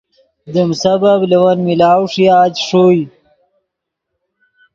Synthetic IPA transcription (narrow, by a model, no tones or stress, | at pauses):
d̪əmsababliwɐnmilaːwʂiaːt̪ʂoj